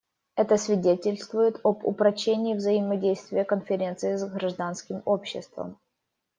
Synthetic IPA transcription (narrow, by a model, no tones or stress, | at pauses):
ɛt̪əsvʲɪdʲetʲɪlʲst̪vʊjɪt̪obʊ̰pɾɐt͡ɕːenʲɪːvzəɪmɐdʲejst̪vʲɪjəkənfʲɪɾʲent̪sɨɪzɡɾɐʐd̪anskʲɪmopɕːɪ̰st̪və̰m